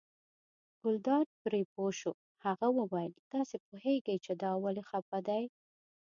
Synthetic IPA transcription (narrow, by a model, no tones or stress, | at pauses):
ɡ̥ʊld̪ɑɾ̚pɾepoʃu | haɣawəwajəlt̪ɑsepoheɡəjt͡ʃed̪ɑwalexapad̪aj